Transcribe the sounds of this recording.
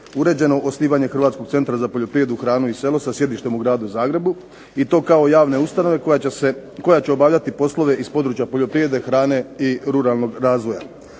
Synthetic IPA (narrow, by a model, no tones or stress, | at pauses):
uɾe̞ːd͡ʑe̞no̞ʔosniːʋaɲe̞xr̩ʋaːt̪sko̞ɡt̪se̞nt̪ɾazapo̞ʎo̞pɾije̞d̪uxɾaːnuise̞lo̞sasje̞d̪iʃt̪e̞muɡɾaːd̪uzaːɡɾe̞bu | it̪o̞ːkao̞jaːʋne̞ust̪ano̞ʋe̞eko̞jat͡ɕeo̞baːʋʎʲat̪ipo̞slˠo̞ʋe̞ʔispo̞d̪ɾuːt͡ɕjapoʎo̞pɾiʋe̞d̪e̞xɾaːne̞iɾuɾalˠno̞ɡɾaːzʋo̞ja̰